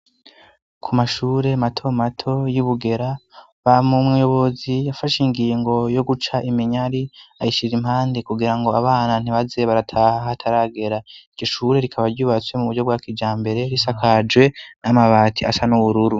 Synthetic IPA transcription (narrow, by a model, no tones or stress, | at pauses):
kʰumaʃuːɾe̞matʰo̞matʰo̞juβuɡe̞ɾa | βamumŋijo̞βo̞zijafaʃiŋɡiːŋɡo̞jo̞ɡut͡ʃaʔimiɲaɾiajiʃiɾimhaːndikuɡiɾaŋɡo̞aβaːnan̥iβaze̞βaɾatʰaːhahtʰaɾaɡe̞ɾaiɟoʃuːɾe̞ɾikʰaβaɾɟuːβat͡swe̞muβuɾɟo̞b̚ɡaːkid͡ʒaːmbe̞ɾe̞ɾisakad͡ʒwe̞namaβaːtʰia̰sanuβuɾuɾu